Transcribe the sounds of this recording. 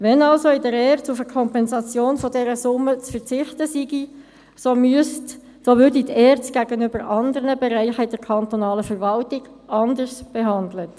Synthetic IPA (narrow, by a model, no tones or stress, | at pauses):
ʋɛnɑlsoɪdɛɾɛːɾt͡sufəkʰɔmpɛnzɑt͡sjoːnfɔdɛɾəsʊmːət͡sfəʁt͡sɪχt̪əsiɡi | somyst | soʋʏɾdit̪ɛːɾt͡stɡ̥æɡənʏb̥əɾʔɑnd̪əɾənəbɛɾæɪχəɪdɛɾkʰɑnt̪ɔnɑːləfəɾʋɑltɪɡ̥ | ɑnd̪əɾsb̥eɦɑnd̪lət